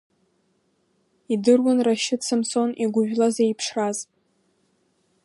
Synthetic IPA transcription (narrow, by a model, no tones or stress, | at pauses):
idɨrwʊnraʃɪt͡sʰɨmso̞niɡʷʊʒᶣlazeipʰʂrazʼ